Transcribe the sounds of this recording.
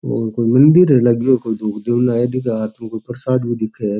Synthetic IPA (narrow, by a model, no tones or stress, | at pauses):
oːɾkoːimɐnd̪iɾɦɛlɐɡokoːid̪oːkʰd̪ewnaːed̪ikeaːt̪mẽkoipɐɾsaːd̪bʱid̪ɪkʰe